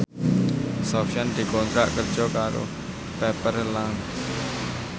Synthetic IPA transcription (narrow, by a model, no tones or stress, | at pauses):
sɔpʃand̪̥i̤kɔnt̪ɾaʔkərd̥ʒ̥ɔkaɾo̰ | pɛpərlaŋ